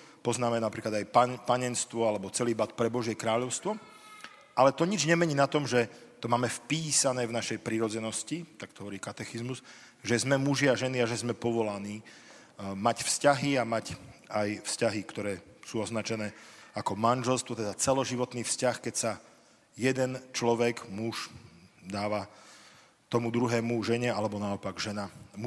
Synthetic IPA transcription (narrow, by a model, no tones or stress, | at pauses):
pɔznaːmɛnapɾiːklad̪ajpapaɲɛnst̪ʋɔalɛbɔt͡sɛliːbat̪̚pɾɛbɔʒjɛkɾaːʎɔʊst̪ʋɔ | ʔalɛt̪ɔɲid͡ʒɲɛmɛɲiːnat̪ɔmʒɛt̪ɔmaːmɛfpiːsanɛːvnaʃɛjpɾiɾɔd͡zɛnɔscit̪ak̚t̪ɔ̥ɦɔʋɔɾiːkat̪ɛxizmuz | ʒɛzmɛmuʒiaʒɛniaʒɛzmɛpɔʋɔlaniː | macfscaɦiamacajfscaɦikt̪ɔɾɛːsuːɔznat͡ʃɛnɛːakɔmanʒɛlst̪ʋɔt̪ɛd̪at͡sɛlɔʒiʋɔt̪niːfscaxkɛcsa | jɛd̪ɛnt͡ʃlɔʋɛɡmuʒd̪aːʋa | t̪ɔmud̪ɾuɦɛːmuʒɛɲɛalɛbɔnaɔpaɡʒɛnamu